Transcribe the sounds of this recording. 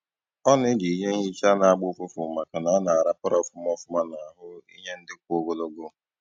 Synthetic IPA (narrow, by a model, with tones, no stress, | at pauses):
ɔ˦nɪ˦di˨˦ɲe˦ɦi˦t͡ʃa˦na˨a˦ɡ͡bʊ˦fʊ˦fʊ˨ma˨ka˨na˨˦na˨a˨ɾa˦pa˦ɾɔ˨fʊ˦m˦ɔ˦fʊ˦ma˦na˨ɦʊ˦i˦ɲe˦n̩˦dɪ˦kʷo˦ɡo˦lo˦ɡʊ˦˨